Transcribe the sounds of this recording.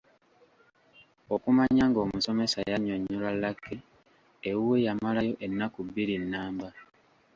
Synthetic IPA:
o̞kumaɲaŋɡo̞ːmuso̞me̞sajaɲoɲːulalːakːe | ewwe̞jamalajo̞ʔe̞nːakuβiɾinːaːmba

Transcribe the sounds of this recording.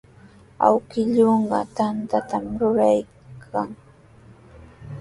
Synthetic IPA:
a̰wkɪʎoɴɢɑ̰t̪ant̪at̪amɾʊɾaj | kʰaŋ

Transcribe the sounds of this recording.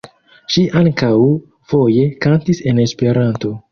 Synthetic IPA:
ʃiʔaŋkaw | fo̞je̞kantise̞ne̞spe̞ɾanto̞

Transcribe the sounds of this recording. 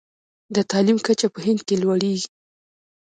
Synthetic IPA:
d̪ət̪ɑlimkat͡ʃapəɦɪnd̪̚kelwaɽeɡi

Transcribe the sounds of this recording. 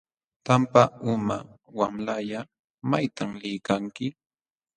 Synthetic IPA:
t̪ampaʊmawamlaʎa | majt̪amlɪjkaŋkɪ

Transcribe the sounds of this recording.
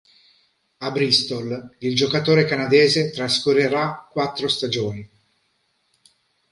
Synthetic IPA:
abɾist̪olild͡ʒokat̪oːɾekanad̪ɛːzet̪ɾaskureɾakːwat̪ːɾost̪ad͡ʒoːni

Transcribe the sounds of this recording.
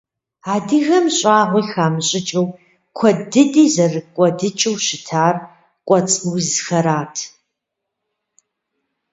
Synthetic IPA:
aːdiɣɐmɕʼaːʁʷiːxaːmɨɕʼɪt͡ʃʼɐw | kʷʰɔdɨdiːzɐrɨkʷʼɔdɨt͡ʃʼɨwʃɪtʰaːr | kʷʼɔt͡sʼwzxɐɾaːtʰ

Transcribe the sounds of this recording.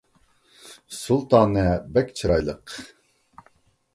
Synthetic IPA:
sulˠt̪ɑːnɨbɛkʲt͡ʃʰiɾɑjlˠəq

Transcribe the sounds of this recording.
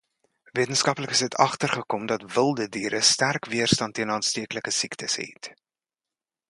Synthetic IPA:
viətənskɐpləkəsdətʰɐχtərχəkɔmdɐtvəlˠdədiːɾəstærkviərstɐntːiənɑːnstiəkləkəsiktəsɦɛ̰t

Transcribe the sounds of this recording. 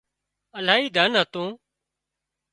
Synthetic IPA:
əlaːɦiːd̪ʱənɦət̪õː

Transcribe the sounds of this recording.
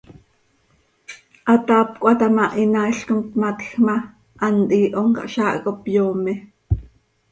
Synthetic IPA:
ʔat̪aːpkʷʔat̪amaʔinaiɬkomt̪mat̪xma | ʔːnʔ̪iːʔoŋka̰ʔʃaːʔkopjoːmɛ

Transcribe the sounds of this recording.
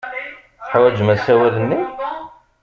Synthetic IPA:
θħwæd͡ʒmæsæwæðənːi

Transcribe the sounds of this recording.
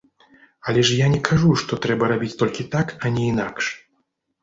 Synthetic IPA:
alʲɛʂjanʲɛkʰaʐuʂt̪ɔt̪ɾɛbɐɾabʲit͡sʲt̪ɔlʲkʲit̪akanʲɛinakʂ

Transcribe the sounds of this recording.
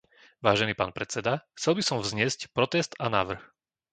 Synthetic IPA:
ʋaːʒɛniːpaːnpɾɛt͡sɛd̪axt͡sɛlbisɔmvzɲɪɛscpɾɔt̪ɛst̪anaːʋr̩x

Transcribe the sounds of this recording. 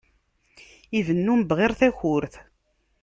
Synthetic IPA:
iðənːumbʁeɾθæçʊɾθ

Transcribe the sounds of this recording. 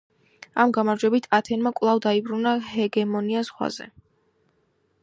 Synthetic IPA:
amɡamaɾd͡ʒwɛbit̪ʰat̪ʰɛnmakʼwlˠavd̪aibɾunahɛɡɛmɔniasʁwa̰zɛ̰

